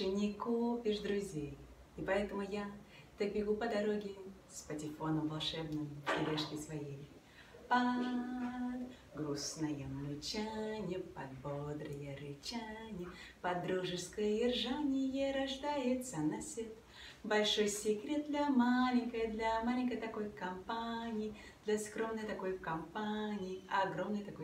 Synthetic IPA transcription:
t͡ʃɨnʲɪkupʲɪʂd̪ɾʊzʲej | ɪpɐɛt̪əmʊja | t̪ɐk̚bʲɪɡupəd̪ɐɾo̞ɡʲɪ | spətʲɪfo̞nəmvɐlˠʂɛbnɨjɪɾʲeʂkʲɪsvɐjej | pɐ | ɡɾusnɐjəmlʲʊt͡ɕanʲɪpɐd̪̚bod̪ɾəjəɾɨt͡ɕanʲɪpɐd̪ɾuʐɨskəjəjɪrʐanʲɪjəɾɐʐd̪ajɪt̪sənasʲet̪ | bɐlʲʂo̞jsʲɪkɾʲe̞t̪̚d̪lʲɐmalʲɪŋʲkəjəd̪lʲamalʲɪŋʲkəjt̪ɐko̞jkɐmpanʲɪjɪ | d̪lʲɐskɾo̞mnəjt̪ɐko̞jkɐmpanʲɪjɪɐɡɾomnɨjt̪ɐko̞j

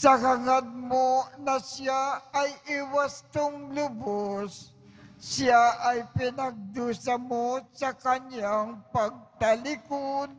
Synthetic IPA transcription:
sɐkɐŋad̪̚monɐsjaɐjʔɪwast̪ʊŋlʊbosː | aʔɐjpɪnɐɡ̚d̪uːsɐmosɐkɐɲjaŋpɐɡ̚t̪ɐlɪkod̪

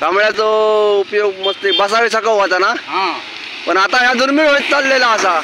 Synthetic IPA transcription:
tamɭjat͡soupjoɡ̚məst̪ebəsaʋesakawʋat̪anaɦã | pəɳat̪aɦjad̪uɾmiɭɦojt̪̚t͡salːelaəsa

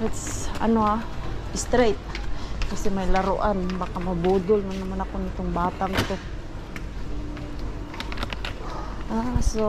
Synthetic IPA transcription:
ɪt̪sa̰noaɪst̪ɾajt̪̚kasɛmajlaɾʊʔanbakamabuːd̪ʊlmanamanakonɪt̪oŋbaːt̪aŋɪt̪o | ʔaso

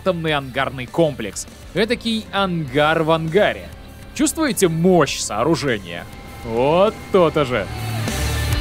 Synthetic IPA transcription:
t̪əmnɨjɐnɡarnɨjko̞mplʲɪ̰ks | ɛt̪əkʲijɐnɡarvɐnɡaɾʲɪ̰ | t͡ɕust̪vʊjɪtʲɪmoɕsɐːɾʊʐɛnʲɪ̰jə̰ | vot̪ːot̪əʐɨ̰

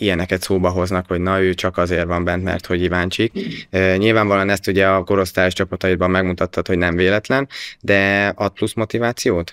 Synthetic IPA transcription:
ijɛnɛkɛt̪soːbɒɦo̞znɒkhoɟnɒøːt͡ʃɒkɒzeːrvɒmbɛnt̪mɛ̰rt̪ho̞ɟkivaːnt͡ʃikøɲilvaːɱvɒlɒnɛst̪uɟɛɒko̞ɾo̞st̪aːjoʃt͡ʃɒpɒt̪ɒibɒmːɛɡmut̪ɒt̪ʰːɒt̪ho̞ɟnɛɱveːlɛt̪lɛnd̪ɛɒt̪̚plusmo̞t̪ivaːt̪sijoːt̪

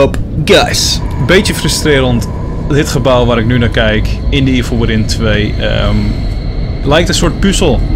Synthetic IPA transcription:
opɡajs | bejtjəfrəstrɪːɾənt | dɪtχəbawʋaɾɪk̚nynakɛjkɪndəiəflʋəɾɪntʰʋejə̰m | lɛjk̚tənsot̚pysəlˠ

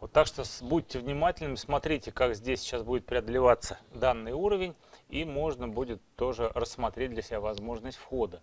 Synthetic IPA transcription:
vot̪ːakʂt̪obutʲːɪvnʲɪmatʲɪlʲnɨmsmɐt̪ɾʲitʲɪkakzʲdʲesʲt͡ɕːasbudʲɪt̪pɾʲɪɐd̪əlʲɪvat̪sə̥d̪anːɨjuɾəvʲɪnʲimo̞ʐnəbudʲɪt̪ːo̞ʐɨɾəsːmɐt̪ɾʲet̚ʲd̪lʲəsʲɪbʲavɐzmo̞ʐnəsʲtʲfxod̪ə

